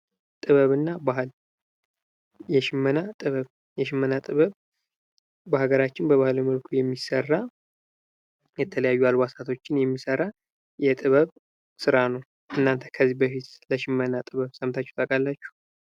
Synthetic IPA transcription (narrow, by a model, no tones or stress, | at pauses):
t̪ʼɨβəβɨnːabaɦɨl | jɛʃɪmːənat̪ʼɨβəβ | jɛʃɪmːənat̪ʼɨβəβ | bəhaɡəɾat͡ʃːɪnbəβahloməlkʰujɛmːisərːa | jɛt̪ʰələjajːualwasat̪ʰo̞t͡ʃːɪnjɛmːisəɾa | jɛt̪ʼɨβəβ | sɨɾanəw | ʔɨnːant̪ʰə̥kʰəzːibəfit̪ləʃɪmːənat̪ʼɨβəβsəmt̪ʰat͡ʃːɛ̥t̪ʼəkʼalːat͡ʃːu̥